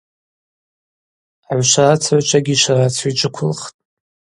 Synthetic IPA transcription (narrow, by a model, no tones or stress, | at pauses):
aʕʷʃarat͡sʰʕʷt͡ʃʷʰʼaɡʲiʃarat͡sʰit͡ʃʷʼɨkʷʰʊlχtʼ